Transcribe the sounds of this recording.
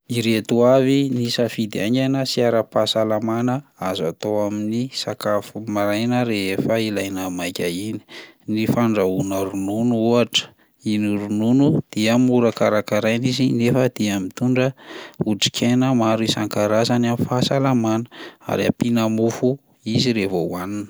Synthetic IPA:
iɾet̪uavinisafid̪ia̰ŋɡanəsiaɾəpasalamanəazat̪oaminisakafumaɾajnəɾeɦefəilajnəmajkʲaini̥ | nifaɳɖ͡ʐaunəɾununuuaʈ͡ʂə̥ | iniɾununud̪̥iəmuɾakaɾakaɾajnizinefəd̪̥iamit̪uɳɖ͡ʐəuɖ͡ʐi̥kʰʲenəmaɾuisaŋkaɾazanamifasalamanə̥a̰ɾia̰pinamufu | iziɾevouaninə

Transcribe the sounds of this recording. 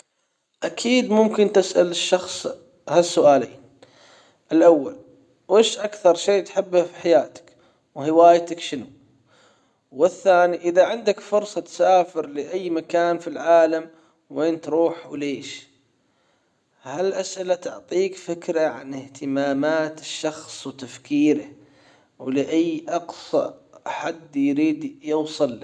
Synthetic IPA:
ʔakʰiːd̪mʊmkɪnt̪ɪsʔa̰lɪʃːɑxsˤ | hasːʊʔaːleːn | ʔɪlʔawːa̰l | weːʃʔakθɑɾˤʃeːt̪ħɪbːfiħajaːt̪ɪ̥k | whɪwaːjt̪akʃɪnu | wɪθːaːniʔɪðaʕɪnd̪akfʊɾsˤɑt̪saːfɪɾlɪʔajːmakaːnfilʕaːlam | weːnt̪ɾˤuːħwleːʃ | halʔasʔɪlat̪ʊʕt̪ˤiːkfɪkɾaʕa̰nɪht̪ɪmaːmaːt̪ɪʃːɑxsˤwt̪afkiːɾa | wlɪʔajːʔɑqsˤɑ̰ħad̪ːjɾiːd̪jɪwsˤɨlː

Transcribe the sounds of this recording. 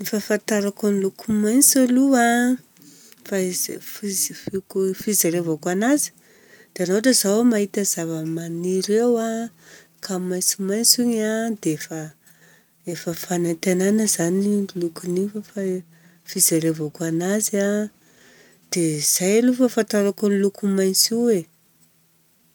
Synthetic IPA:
nifafant̪aɾakunilukumajnt͡salua | fazfizfikufizaɾevokanazi̥ | d̪̥eanoʈ͡ʂəzawmaɦit̪azavəmaniɾewa | kʰamajt͡simajnt͡suɲad̪eefə | efəfanant̪ananəzanilukunifəfa | fizaɾevokanaza | d̪̥ez̥ajlufəfant̪aɾakulukumajnt͡siwe

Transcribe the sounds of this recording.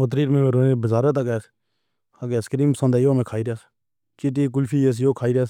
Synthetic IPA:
ot̪ɾiːɾmẽːmeːɾoːnebəzaːɾət̪əkɛːs | akeːskəɾiːmpəsə̃nd̪aːjoːmẽːkʰaːiːɾaːs | kɪʈiːk̬ʊlfʰiːjes̬joːkʰaːiːɾaːs

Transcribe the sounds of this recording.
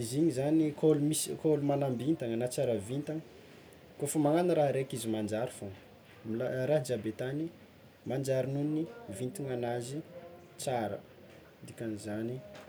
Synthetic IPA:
iziɲizanikʰolumisikʰolumanambint̪aŋənat͡saɾəvint̪aŋə | kofəmaŋanaɾaɦɾekizimand͡ʒaɾifoŋ | mlaɾaɦd͡ʒabet̪ani | mand͡ʒaɾinunnivint̪iŋanazi | t͡saɾə̰ | d̪ikʲanizani

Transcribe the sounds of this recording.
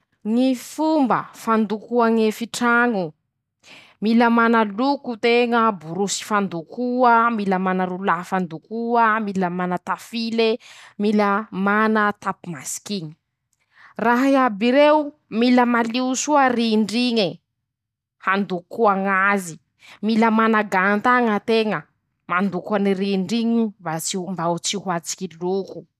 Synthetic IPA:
ŋifumbəfand̪ukuaŋefiʈ͡ʂaŋu | miləmanəlukut̪eŋəbuɾusi̥fand̪ukuəmiləmanəɾulaɦfand̪ukuəmiləmanət̪afilemiləmanət̪apumasi̥kiɲi̥ | raɦiabiɾeu | miləmaliusuəriɳɖ͡ʐiɲi | hand̪ukːuaŋazi | miləmanaɡant̪aŋət̪eŋə | mand̪ukaniriɳɖ͡ʐiɲimbat͡simbaut͡sihuat͡si̥kiluku̥

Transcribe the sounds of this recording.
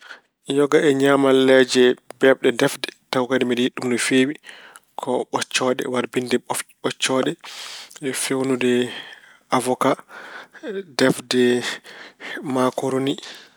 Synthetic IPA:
jɔɡaɛɲaːmalɛd͡ʒɛbɛbɗɛdɛfdɛtawkadɛmidɛhiɗːumdɔfeːwi | kʰɔɓɔt͡ʃːɔɗɛ̰waɾbindɛɓɔt͡ʃːɔɗɛ | fewnudɛ | avɔka | dɛfdɛ | makoɾoni

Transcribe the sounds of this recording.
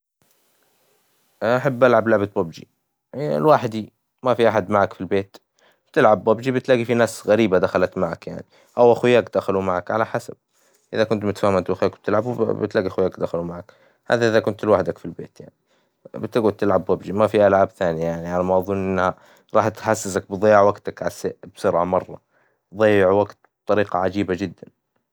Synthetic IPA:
ʔaħabːʔalʕablaʕbat̪̚babd͡ʒḭ | lwaːħd̪i | mafiʔaħad̪maʕakfilbeːt̪ | bt̪ɪlʕabːabd͡ʒibɪt̪laːɡifinaːsɣaɾiːbad̪axalat̪maʕakja̰ʕni | ʔawʔaxwjːaːkd̪axalumaʕakʕalaħasab̚ | ʔɪðakʊnt̪mʊt̪ḁfaːhmant̪ʔaxjaːkb̥̚t̪ɪlʕabubɪ̰t̪laːɡiʔaxwjːaːkd̪axalumaʕak | ha̰ːðaʔɪðakʊnt̪ɪlwaħd̪akfilbḛːt̪ja̰ʕni | bt̪ːɪɡuːlt̪ɪlʕabwabd͡ʒimafiʔalʕaːbθaːniajaʕniʕalamɑwðˤuːnʔɪnːha | ɾˤɑːħt̪ħasːɪsak̚bɨðˤɑːjːɑʕwaɡt̪akʕasebsʊɾʕamɑrˤːɑ̰ | ðˤɑːjːɪʕwaɡt̪̚bt̪ˤɑɾiːqɑʕad͡ʒiːbad͡ʒɪd̪ːan

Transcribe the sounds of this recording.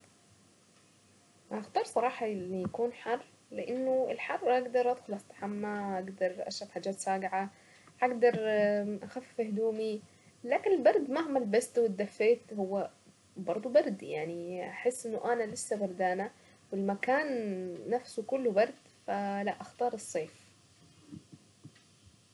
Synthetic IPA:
ʔaxt̪ɑːɾˤsˤɑɾˤɑːħɑlːijakuːnħɑrˤː | lɪʔɪnːʊɪlħɑrˤːʔaɡd̪ɑɾˤʔad̪̥xʊlʔast̪ḁħamːahaɡd̪ɑɾˤʔa̰ʃɾɑfħaːd͡ʒːaːt̪saːɡʕa | haɡd̪ɑɾˤʔaxafːɪhd̪uːmi | laːkɪnɪlbɑɾˤd̪mahmalbast̪wɪt̪̚d̪ːafːeːt̪hʊwːa | bɑɾˤd̪ˤubɑɾˤd̪ja̰ʕniʔaħɪsːʔɪnːʊʔanalɪsːabɑɾˤd̪aːna | wɪlmakaːnːafsukʊlːʊbɑɾˤd̪ | falaʔaxt̪ɑːɾˤɨsˤːeːf

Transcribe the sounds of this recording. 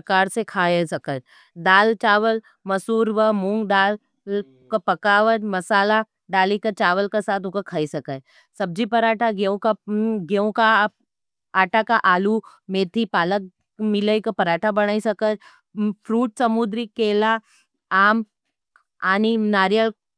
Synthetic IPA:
kaːɾsekʰaːesɐkət̪ | d̪aːlt͡ʃaːʋəl | mɐsuːɾʋəmʊ̃ŋɡd̪aːl | kopɐkaːʋət̪mɐsaːla | ɖaːlikət͡ʃaːʋəlkasaːt̪ʰʊkəkʰɐisɐkə | sɐb̚d͡ʒipɐɾaːʈʰaɡõkaɡõka | aːʈakaʔaːlumeːt̪ʰipaːlək̚ | mɪləikəpɐɾaːʈʰabɐɽ̃aːisɐkət̪ | pʰɾuːʈsɐmud̪ɾikeːla | aːm | aːninaːɾjəl

